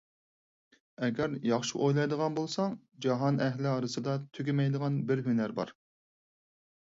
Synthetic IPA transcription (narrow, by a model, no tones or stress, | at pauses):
ɛɡʲɛɾjɑχʃiʔojlˠɑjd̪əʁɑnbolˠsɑŋ | d͡ʒɑɦɑnɛɦlɪɑɾɨsɨd̪ɑt̪ʰyɡʲɪmɛjd̪əʁɑnbɪɾɦynæɾbɑ̰ɾ